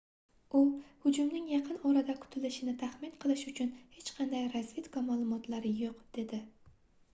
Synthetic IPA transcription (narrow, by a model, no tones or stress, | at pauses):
uhʊd͡ʒumnɪŋjɑqʰɨnɒɾad̪akʰʊ̥t̪ʰɪlɪʃɪnɪt̪ʰaχmɪnqʰɨlˠɪʃʊt͡ʃʰʊnhet͡ʃqʰɑnd̪ajɾazvit̪kʰɒmaːlˠʊmɒt̪lˠaɾɪjoqd̪̥e̞d̪ɪ